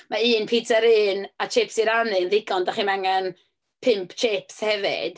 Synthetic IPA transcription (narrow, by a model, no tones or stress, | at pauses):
maiːnpʰiːtʰəɾɨnat͡ʃʰeːpsiɾanɨnðɪɡɔndaχiːmaŋɛn | pʰɪmpʰt͡ʃʰeːpshɛvɪ̰d̥